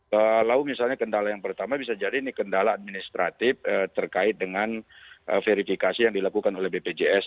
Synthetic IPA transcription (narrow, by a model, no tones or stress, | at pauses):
əlaumisalɲakəndalajaŋpərt̪amabisad͡ʒadiːnikəndalaːd̚minist̪ɾʔat̪ɪfət̪ərkaɪt̪̚dəŋanʔə̰feɾifikasijaŋdilakukanolɛhbeped͡ʒeɛs